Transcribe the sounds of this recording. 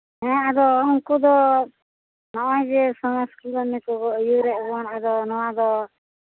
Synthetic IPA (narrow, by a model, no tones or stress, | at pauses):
ɛ̃ad̪ɔɔŋkud̪ɔ | nɔɔjd͡ʒɛsɔmaskulɔmɛkɔɡɔʔjuɾɛʔɔnad̪ɔnɔwad̪ɔ